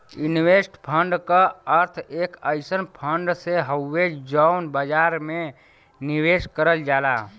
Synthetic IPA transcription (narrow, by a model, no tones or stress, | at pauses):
inwesʈpʰəɳɖkəəɾt̪ʰekəjsənpʰəɳɖseɦəwːed͡ʒd͡ʒəwnbəd͡ʒaɾme | niweskəɾəld͡ʒala